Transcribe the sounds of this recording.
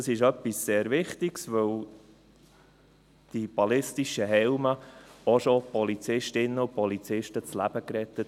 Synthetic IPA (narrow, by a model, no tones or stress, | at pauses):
ɑsɪʃœpːisːeːɾvɪχt̪iksʋɵw | d̥ib̥ɑlɪstiʃəɦɛlməɔʃopɔlit͡sɪʃtɪnːəʊpɔlit͡sɪʃtət͡slæb̥əkɾɛt̪ːət